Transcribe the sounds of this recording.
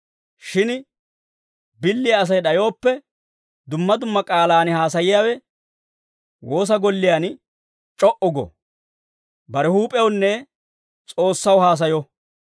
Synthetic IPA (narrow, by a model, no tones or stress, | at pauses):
ʃɪn | bɪlːɪjɐːs̬ɐjɗɐjo̞ːpːɛ | d̪ʊmːɐd̪ʊmːɐkʼaːlaːnɪhaːs̬ɐjɪjaːwɛ | wo̞ːs̬ɐɡɔlːɪjaːn | t͡ʃʼɔʔʊɡɔ̰ | bɐɾɛhuːpʼɛwnːɛ | t͡sʼo̞ːsːɐwhaːs̬ɐjɔ